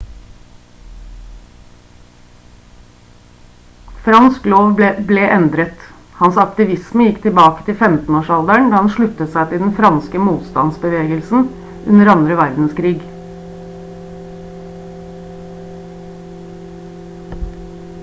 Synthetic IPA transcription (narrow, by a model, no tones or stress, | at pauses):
fɾɑnskloːʋb̪ɛblɛːʔɛnd̪ɾət̪ | hɑnsɑk̚t̪ɪʋɪsməjɪkːt̪ʰɪbɑːkə̥t̪ʰɪlfɛmt̪n̩oːʂɑld̪æɳd̪ɑːhɑnʃɭʉt̪ət̪sæɪt̪ɪld̪ɛn̩fɾɑnskəmuːt̪st̪ɑ̰nsbəʋeːɡəlsn̩ | ʔʉnəɾɑnd̪ɾəʋæɾd̪n̩skʰɾiːɡ